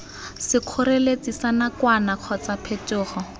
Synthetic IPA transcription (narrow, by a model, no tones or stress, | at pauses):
sɪq͡χʰʊɾelet͡sisanakwanaq͡χʰɔt͡sapʰetʊːχɔ